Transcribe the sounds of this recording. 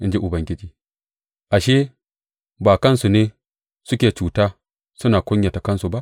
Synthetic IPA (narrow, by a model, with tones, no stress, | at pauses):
ʔɪ˦nd͡ʒe˦ʔʊ˨bɐ˨ŋɡʲɪ˦t͡ʃiː˦ | ʔa˨ʃeː˦ | baː˨kɐ˦nsu˨neː˦ | sʊ˦kʲeː˨t͡ʃuː˨taː˦ | sʊ˦naː˨kʷʊ˦ɲja˨ta˨kɐ˦nsu˨ba˦ʔ